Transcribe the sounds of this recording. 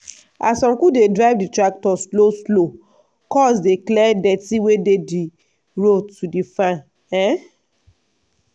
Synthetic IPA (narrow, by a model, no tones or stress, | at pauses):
a̰sɔ̃ŋkudedɹaɪvditɾak̚tɔsloslo | kɔsdeklɛdɛtiwededi | ɹotːudifãn | ɛ̃